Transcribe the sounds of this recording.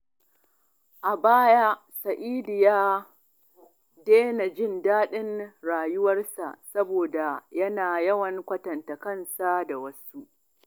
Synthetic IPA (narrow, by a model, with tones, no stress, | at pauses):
ʔa˨baː˦ja˦ | sɐ˨ʔiː˦dɪ˨jaː˦ | deː˦na˨d͡ʒɪ˦˨ndaː˦ɗɪ˦nɽaː˨jʊ˦wɐ˦rsa̰˨ʔsɐ˦boː˨da˨jɐ˦naː˨jɐ˦wɐ˨ŋkʷɐ˦tɐ˨ntɐ˨kɐ˦nsa˦da˨wɐ˦su˦ʔ